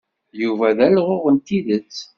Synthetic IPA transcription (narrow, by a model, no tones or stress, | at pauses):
juvæðælʁoʁənt̪iðət͡sː